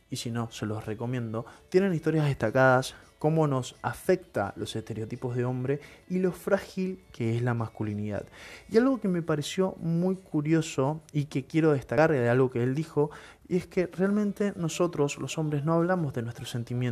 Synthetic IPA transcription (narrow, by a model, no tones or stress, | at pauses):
isino̞se̞lo̞sreko̞mjend̪o̞t̪jene̞nist̪o̞ɾjazð̞eht̪akaðas | ko̞mo̞no̞safe̞k̚t̪a̰lo̞se̞st̪e̞ɾeot̪ipo̞zðeo̞mbɾe̞ilo̞fɾaxilkeeslamaskuliniða̰ðialɣo̞kemepaɾe̞sjo̞mujkuɾjo̞so̞ikekjeɾo̞ðest̪aaɾealɣo̞keeld̪ixo̞ | ḭeske̞realmẽnt̪e̞no̞so̞t̪ɾo̞slo̞so̞mbɾesno̞aβ̞lamozðenwe̞st̪ɾose̞nt̪imjen